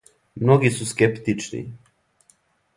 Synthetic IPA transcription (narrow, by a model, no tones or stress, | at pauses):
mnoɡisuskept̪it͡ʃnḭ